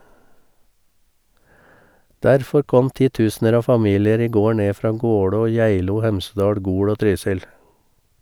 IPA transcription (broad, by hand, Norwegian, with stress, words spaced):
ˈdæɾfɔɾ ˈkɔm ˈtiːˌtʉːsnəɾ ˈɑː ˈfɑˌmiːlɪəɾ ˈiː ˈɡoː ˈɳeː ˈfɾɑː ˈɡoːɽoː ˈjæɪluː ˈhɛmsədɑːɽ ˈɡuːɽ ˈoː ˈtɾyːsɪl